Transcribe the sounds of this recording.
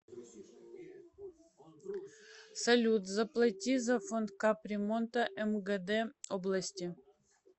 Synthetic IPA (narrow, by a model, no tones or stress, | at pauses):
sɐlʲut̪zɐplˠɐtʲizafond̪kaprʲemont̪ɐʔɛmɡɛd̪ɛoblˠɐsʲtʲi